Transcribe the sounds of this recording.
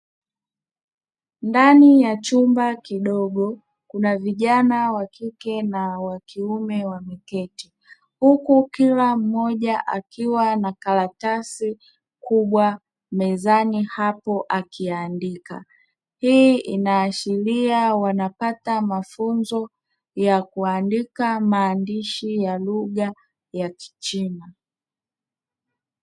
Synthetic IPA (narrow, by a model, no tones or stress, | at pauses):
ndanijat͡ʃumbakiɗɔɠɔ | kunaviʄanawakikɛnawakiumɛwamikɛti | hukukilam̩ːɔʄaʔakiwanakalatasi | kuɓwa | mɛzanihapɔʔakʰiandika̰ | hiʔinaːʃiliawanapatamafunzɔ | jakuandikamaːndiʃijaluɠa | jaki̥t͡ʃina